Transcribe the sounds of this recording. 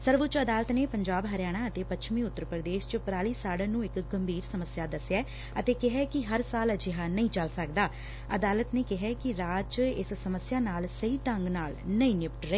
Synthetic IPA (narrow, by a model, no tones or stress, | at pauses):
səɾʋʊt͡ʃəd̪aːlət̪neːpəɲd͡ʒaːbɦəɾjaːɽ̃aːət̪eːpətːʃʰmĩːʊt̪ːəɾpɾəd̪eːʃt͡ʃpɾaːɭiːsaːɽaːnũːɪkɡəmbʱiːɾsəməsɪjaːd̪əsjaː | ət̪eːkɪɦɛːkɪɦəɾsaːləd͡ʒɪɦaːnəĩːt͡ʃəlsək̚d̪aː | əd̪aːlət̪neːkɪɦɛːkɪɾaːt͡ʃɪssəməsɪjaːnaːlsəɦiːʈ̪əŋɡnaːlnəĩːnɪpʈɾəeː